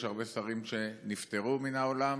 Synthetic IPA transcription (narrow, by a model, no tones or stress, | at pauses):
ʃhaʁbe̞saʁimʃe̞nift̪eʁuminaolam